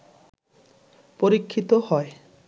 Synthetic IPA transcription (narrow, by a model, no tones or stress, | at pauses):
poɾikʰːit̪ohɔe